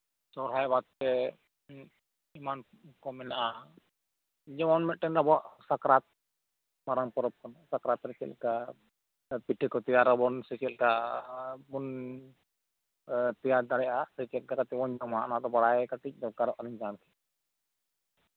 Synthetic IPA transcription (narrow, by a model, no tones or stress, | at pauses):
sɔɾɦajbat̪̚tɛ | iman | kɔmɛnaʔa | d͡ʒɔmanmɛʔʈɛnɾabɔaʔsakɾat̪̚ | maɾampɔɾɔp̚kɔnasakɾat̪ɾɛt͡ʃɛ̰lka | piʈikɔt̪ijaɾɔbɔnsɛt͡ʃɛlka | bun | t̪ɛjaɾd̪aɽɛjʔasɛt͡ʃɛl̚kakat̪ɛbɔɲd͡ʒɔmaʔnat̪ɔbaɽajkaʈic̚dɔkaɾɔʔaɾiɲd͡ʒankɛ̥